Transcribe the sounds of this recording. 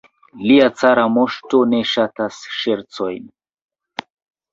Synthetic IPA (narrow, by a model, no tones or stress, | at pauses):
liat͡saɾamoʃto̞ne̞ʃatasʃeɾt͡so̞jn